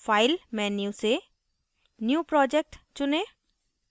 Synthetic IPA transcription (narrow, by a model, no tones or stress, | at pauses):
fʰaːɪlmɛ̃ːnjuse | njuːpɾɔːd͡ʒek̚ʈt͡ʃʊnẽː